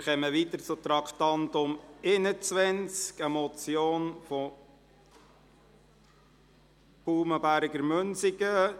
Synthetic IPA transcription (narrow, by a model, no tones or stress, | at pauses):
χɛməʋit̪əɾt͡sʊt̪ɾɑkt̪ɑntʊmɪnət͡sʋɛnt͡skɛmɔt͡sjoːnfɔ | b̥uːməbæɾɡəɾmønsɪɡə